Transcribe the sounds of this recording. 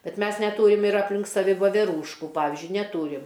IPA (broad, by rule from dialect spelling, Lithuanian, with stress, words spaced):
ˈbʲɛt ˈmʲɛs nʲɛˈtuːrʲɪm ɪr ɐpʲˈlʲɪŋk sɐˈʋʲɪ ʋoːʋʲɛˈruːʃkʊ ˈpɑːʋʲɪzʲd͡ʒʲʊɪ nʲɛˈtuːrʲɪm